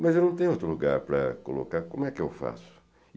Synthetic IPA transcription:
mɐzewnɐ̃w̃t̪ẽjʊowt̪ɾʊluɡaɾpɾɐ̰kolo̰kaɾkõmʊɛkɪewfa̰sʊ̥

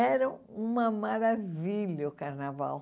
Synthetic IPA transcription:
ɛɾɐ̃w̃ũmɐmaɾaviʎɐʊkaɾnava̰w

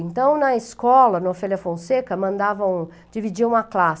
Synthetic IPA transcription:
ẽnt̪ɐ̃w̃nɐeskɔlɐnofɛljɐfõw̃sekɐmɐ̃nd̪avɐ̃w̃ | d͡ʒivid͡ʒiɐ̃mɐklas

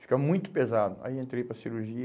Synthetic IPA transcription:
fi̥kamũj̃t̪ʊpezad̪ʊɐ̰iẽnt̪ɾejpɾɐsiɾuɾʒiɐ

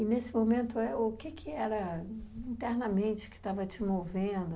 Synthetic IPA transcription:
ɪnesɪmomẽnt̪ʊɛʊkɪkʰɪɛɾɐĩnt̪ɛɾnɐmẽnt͡ʃɪ̥kɪ̥t̪avɐt͡ʃɪmovẽd̪ʊ

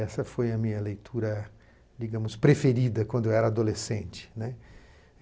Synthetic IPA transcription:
ɛsɐfojɐmĩɲɐlejt̪ʰuɾɐ | d͡ʒiɡɐ̃mʊspɾefeɾid̪ɐkwɐ̃nd̪ʊewɛɾɐad̪olesẽnt͡ʃɪ̥nɛ

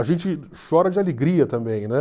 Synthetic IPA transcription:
ɐʒẽt͡ʃɪ | ʃɔɾɐd͡ʒɪaleɡɾiɐt̪ɐ̃mbẽj̃nɛ

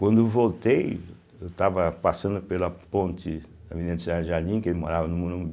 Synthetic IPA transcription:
kwɐ̃nd̪ʊewvowt̪ej | ewt̪avɐpasɐ̃nd̪ʊpelɐpõnt͡ʃ̪ɪ | d̪ɐvininɐd̪ɪsid̪ad͡ʒʒanĩkelɪmoɾavɐnũmũnũm

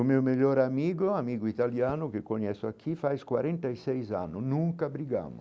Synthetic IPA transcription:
umimiʎːoɾamiːɡʊamiːɡʊit̪aljaːnʊk̟ekːoɲɛsʊakʰːifajskwaɾɛnt̪aisɛjsa̰nːʊnuŋkabɾiɡa̰ːmʊ̰

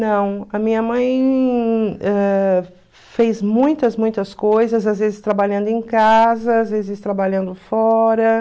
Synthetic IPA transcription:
nɐ̃w̃ɐmĩɲɐmɐ̃j̃ | ɛ | fejzmũj̃t̪ɐzmũj̃t̪ɐskojzɐzazvezɪst̪ɾabaʎɐ̃nd̪ʊẽj̃kazɐaːzvezɪst̪ɾabaʎɐ̃nd̪ʊfɔɾɐ

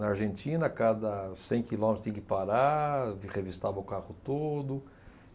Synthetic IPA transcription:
nɐaɾʒẽnt͡ʃ̪ĩnɐkad̪ɐsẽj̃kilõmt̪t̪ẽkɪpaɾaʁevist̪avɐʊkaʁʊt̪od̪ʊ

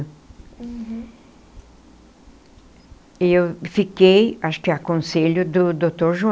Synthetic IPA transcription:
ewfikejaʃʊ̥kɪakõseʎʊd̪ʊd̪ot̪oɾʒũ

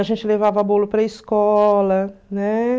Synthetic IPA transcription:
ɐʒẽnt͡ʃɪlevavɐbolʊpɾɐiskɔlɐnɛ

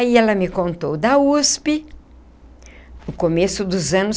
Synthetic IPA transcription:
aiɛlɐmɪkõnt̪owd̪ɐuspɪ | nʊkomesʊd̪ʊzɐ̃nʊ

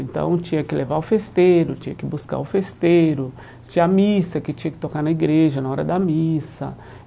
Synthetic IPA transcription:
ẽnt̪ɐ̰̃w̃t͡ʃĩɲɐkɪlevaʊfest̪ejɾʊt͡ʃĩɲɐkɪbuska̰ʊfest̪eɾʊ | t͡ʃĩɲɐmisɐkɪt͡ʃĩɲɐkɪ̥t̪okanɐiɡɾeʒɐnɐɔɾɐd̪ɐmisɐ

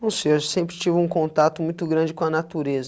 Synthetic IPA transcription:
owseʒɐsẽmpɾɪt͡ʃivɪũkõnt̪at̪ʊmũj̃t̪ʊɡɾɐ̃d͡ʒɪkõɐnat̪uɾezɐ

